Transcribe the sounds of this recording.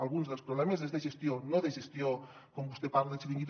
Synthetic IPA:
alˠɣunzðəlˠspɾuβlɛmezezðeʒest̪ionoðeʒest̪io | kombust̪epaɾleesðiŋɡit̪

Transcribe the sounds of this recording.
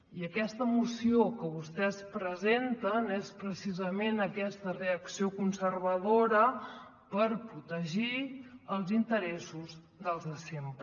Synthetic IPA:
iəkɛst̪əmusiokəβust̪ɛspɾəzent̪ənespɾəsizəmenəkɛst̪əreəksiokunsərβəðoɾə | pəɾpɾut̪əʒiəlˠzint̪əɾɛsuz | ðəlˠzðəsempɾ

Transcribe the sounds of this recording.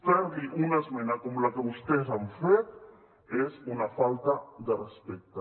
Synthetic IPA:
fɛɾðiʔunazmenakomlakəβust̪ezaɱfet̪ | ezunafalt̪ad̪ərespɛk̚t̪a

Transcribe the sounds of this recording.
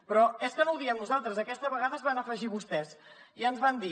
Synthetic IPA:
pɾɔeskənowðiəmnuzalˠt̪ɾəzəkɛst̪əβəɣaðəzβanəfəʒiβust̪ɛz | iənzβand̪i

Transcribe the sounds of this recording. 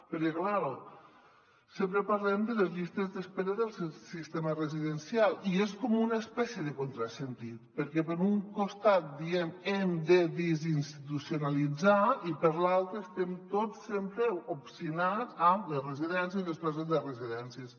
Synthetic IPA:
pəɾkɛklaɾo | sempɾəpaɾlɛmd̪ələzʎist̪əzðəspeɾəðəlˠssist̪emərəziðənsialieskomunəspɛsjəðəkont̪ɾasənt̪it̪pəɾkɛpəɾuŋkost̪at̪̚d̪iɛmɛmd̪əd̪izinst̪it̪usionalid͡zaipəɾlalˠt̪ɾəːst̪ɛmt̪osempɾeopsinat͡sələrəziðɛns̬jəðəspɾezəðərəziðɛnsiəs

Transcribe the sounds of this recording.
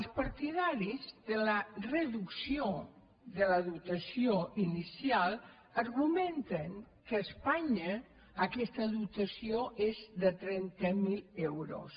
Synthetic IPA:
əlˠspɐɾt̪iðaɾizðələrəðuksio | ðələðut̪əsioinisialˠ | əɾɣumɛnt̪əŋ | kəːspaɲəː | kɛst̪əðut̪əsioʔezðət̪ɾɛnt̪əmilɛwɾo̰s

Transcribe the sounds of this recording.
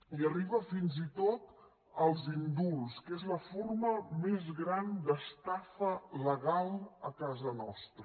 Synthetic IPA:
iəriβ̞əfinzit̪ot̪ | əlˠzind̪ulˠskezləforməmezɣɾand̪əst̪afələɣalˠəkazənɔst̪ɾə

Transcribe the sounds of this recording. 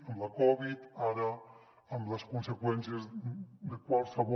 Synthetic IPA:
əmləkɔβit̪aɾə | əmləskunsekwɛnsiəzd̪əkwalˠsəβo

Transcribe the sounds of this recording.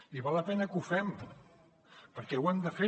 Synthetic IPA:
iβalˠːɐpɛnəkufɛm | pəɾkɛwɛmd̪əfe

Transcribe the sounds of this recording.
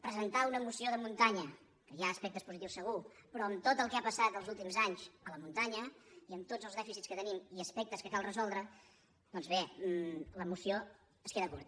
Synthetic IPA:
pɾəzənt̪aunəmusioðəmunt̪aɲə | kəjaəspɛk̚t̪əspuzit̪iwsːəɣupɾɔəmt̪ot̪əlˠkɛapəsat̪əlˠzulˠt̪imzaɲzələmunt̪aɲəiəmt̪od͡zəlˠzðɛfisitskət̪ənimiəspɛk̚t̪əskəkalˠrəzɔlˠd̪ɾə | d̪ɔnzβe | ləmusio | əskeðəkuɾt̪

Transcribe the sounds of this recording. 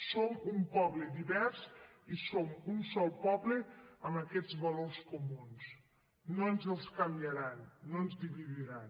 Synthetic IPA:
somumpɔβled̪iβɛɾs | isomunsɔlˠpɔβleəməkɛd͡zβəlorskumuns | noənzəlˠskambjəɾanːonzdiβiðiɾan

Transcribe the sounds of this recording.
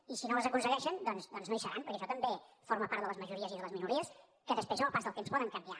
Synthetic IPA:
isinoəzəkunsəɣɛʃənd̪ɔnzd̪ɔnznoijsəɾanpəɾkɛəʃɔt̪əmbefoɾməpaɾt̪ðələzməʒuɾiəziðələzminuɾiəs | kəðəspɾeznopasðəlˠt̪emspɔðəŋkəmbia

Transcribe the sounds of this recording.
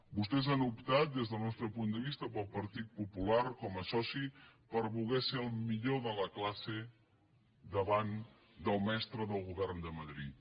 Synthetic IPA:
bust̪ɛzanupt̪at̪̚d̪ezðəlˠnɔst̪ɾəpund̪əβ̞ist̪əpəlˠpəɾt̪it̪̚pupulaɾkɔməsɔsipəɾβulˠɣɛseəlˠmiʎoðələklase | d̪əβan | d̪əlˠmɛst̪ɾəðəlˠɣuβɛrnd̪əməðɾḭt̪

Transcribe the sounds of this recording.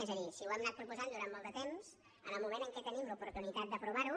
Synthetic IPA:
ezəðisiuwemnat̪̚pɾupuzand̪uɾanmɔlˠd̪ət̪emz | ənəlˠmumenəŋkɛt̪ənimləupuɾt̪unit̪at̪̚d̪əpɾuβ̞aɾu

